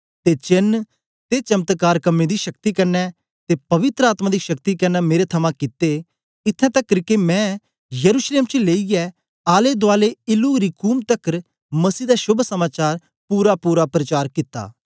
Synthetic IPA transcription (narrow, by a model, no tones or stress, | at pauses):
t̪et͡ʃɪn | t̪et͡ʃɐmt̪kaːɾkɐmẽːd̪iːʃɐk̚t̪iːkɐɾnɛ | t̪eːpɐʋɪt̪ɾəaːt̪maːd̪iːʃɐkt̪ikɐɾnɛːmeːɾet̪ʰɐmãkɪt̪ːe | ɪt̪ʰːɛ̃ːt̪əkːəɾɪkemɛ̃ː | jəɾuːʃleːmt͡ʃəleːiɛ | aːled̪ʊaːleɪluːɾiːkuːmt̪əkɾ | mɐsiːd̪aːʃʊbʱsəmaːt͡ʃaːɾ | puːɾapuːɾapɾət͡ʃaːɾkɪt̪ːa̰ː